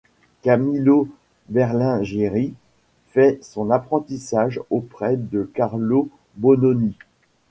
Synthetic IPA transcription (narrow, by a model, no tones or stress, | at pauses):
kamilo | bɛʁlɛ̃ʒeʁi | fɛsɔ̃napχɑ̃t̪isaʒopχɛd̪əkaʁlo | bɔnɔni